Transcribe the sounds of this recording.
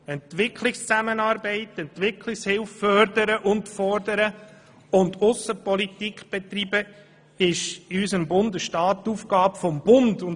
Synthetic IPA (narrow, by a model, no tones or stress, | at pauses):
ɛntʋɪkʰlɪkst͡sæmənɑːɾbɛɪtːɛntʋɪkʰlɪkshɪlffœrdəɾəʔʊntfɔɾdəɾə | ʊndʊsəpɔlit̪ikχb̥et̪ribə | ɪʃysəmbʊndəsʃtɑːtːufɡ̥ɑːbfɔmbʊndʊn